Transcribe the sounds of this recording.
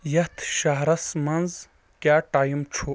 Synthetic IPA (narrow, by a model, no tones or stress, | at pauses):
jɐt̪ʰʃaɦɾɐsmɐnz | kjaːʈaːjimt͡ʃʰo